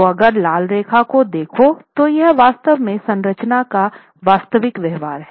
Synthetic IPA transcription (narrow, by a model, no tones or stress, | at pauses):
oɐɡəɾlaːlɾeːkʰakod̪eːkʰot̪ojɛɦʋaːst̪əʋmẽsɐ̃nɾət͡ʃnaka | ʋaːst̪əʋɪkʋjɛɦʋaːɾɦɛ